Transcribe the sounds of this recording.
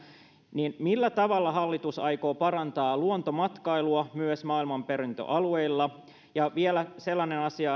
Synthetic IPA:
niːnmilːæt̪ɑʋɑlːɑɦɑlːit̪usɑjko̞ːpɑrɑnt̪ɑːluont̪omɑt̪kɑiluɑmyøsmɑːilmɑmpeɾint̪ø̰ʔɑlueilːɑ | jɑʋielæselːɑnenɑsiɑ

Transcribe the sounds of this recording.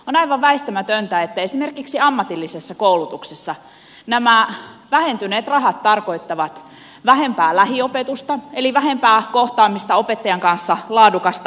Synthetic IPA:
onɑiʋɑʋʋæist̪æmæt̪ønt̪æet̪ːæesimerkiksiɑmːɑt̪ilːisesːɑkoulut̪uksesːɑ | næmæʋæhent̪yneːt̪rɑɦɑt̪t̪ːɑrkoit̪ːɑʋɑt̪ | ʋæhempæːlæhiopet̪ust̪ɑeliʋæhempæːkoht̪ɑːmːist̪ɑopet̪ːɑjɑŋkɑnsːɑlɑːdukɑst̪ɑ

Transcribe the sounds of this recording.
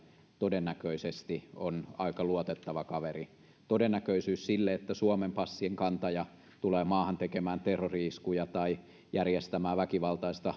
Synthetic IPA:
t̪odenːækøisest̪ionɑikɑluot̪et̪ːɑʋɑkɑʋeri | t̪odenːækøisyːssilːeet̪ːæsuomempɑsːieŋkɑnt̪ɑjɑ | t̪uleːmɑːhɑnt̪ekemæːnt̪erːoriskujɑt̪ɑi | jærjest̪æmæːʋækiʋɑlt̪ɑist̪ɑ

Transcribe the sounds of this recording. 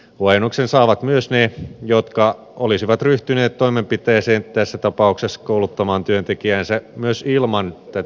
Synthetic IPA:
huɑjenːuksensɑːʋɑt̪myøsnejot̪kɑ | ʔolisiʋɑt̪ryht̪yneːt̪toimempit̪eːseːnt̪æsːæt̪ɑpɑuksesːɑ̥koulut̪ːɑmɑːnt̪yønt̪ekiæːnsæmyøsilmɑnt̪æ

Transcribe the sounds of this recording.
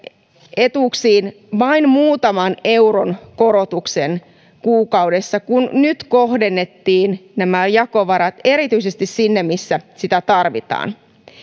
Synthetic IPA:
et̪uksiːn | ʋɑinmuːt̪ɑmɑne̞uronkoɾot̪uksen | kuːkɑudesːɑkunnyt̪kohdenːet̪ːiːnnæmæjɑkoʋɑɾɑt̪e̞ɾit̪yisest̪issinːemmisːæsit̪æt̪ɑrʋḭt̪ɑ̰ːn

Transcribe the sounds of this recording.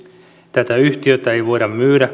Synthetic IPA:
t̪æt̪æyht̪iøt̪ːæeiʋoiɾɑmmyːɾæ

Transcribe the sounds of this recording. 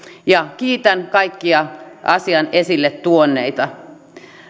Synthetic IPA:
jɑkiːt̪ænkɑikːiɑʔɑ̰siɑnesilːet̪t̪uonːḛit̪ɑ

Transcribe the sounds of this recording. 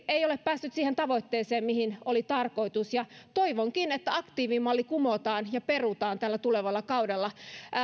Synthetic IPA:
eioleppæːsːyt̪siːhent̪ɑʋoit̪ːeːseːmmihinolit̪ɑrkoit̪usjɑt̪oiʋoŋkinet̪ːæɑkt̪iːʋiːmːɑlːikumot̪ɑːnjɑperut̪ɑːnt̪ælːæt̪uleʋɑlːɑkɑudelːɑ

